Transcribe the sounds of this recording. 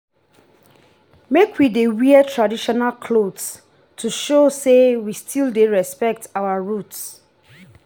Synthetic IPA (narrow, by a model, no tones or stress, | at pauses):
mekʰwidewiətʰɹadiʃɔnalkʰlods | tʰuʃosewistʰildeɹɛspɛk̚tʰawaɹuts